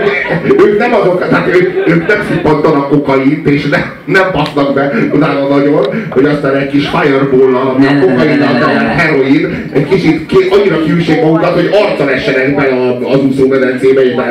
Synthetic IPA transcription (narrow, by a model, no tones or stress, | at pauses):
ɛøːknɛmɒzot̪t̪at̪øøːknɛmsyk̚pɒnt̪ɒɾɒkokɒjit̪eːʃnɛ | nɛmpɒsnɒɡbɛonaːnɒnɒɟo̞nhoɟɒst̪aːnɛcʲkiʃhajɛrboːlːɒlɒmiɒokɒjinɒd̪ɒmɛnɦɛɾo̞in | ɛckit͡ʃit̪kʔɒɲːiɾɒkyʃeːɡmɒɡukɒt̪ho̞ɟɒrt̪sɒlɛʃːɛnɛɡbɛlɒːzusoːmɛd̪ɛnt̪seːbɛeːʃba